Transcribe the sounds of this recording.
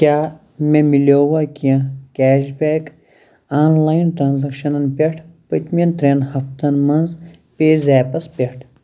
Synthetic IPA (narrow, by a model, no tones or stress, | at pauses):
kʲaː | memiloːwakijɐ̃kæːʃbeːk | aːnlaːjnʈɾaːnzɐkʃɐnɐnpʲeʈʰpət̪mint̪ɾeːnhɐft̪ɐnmɐnz | peːzaːpɐspʲeʈʰ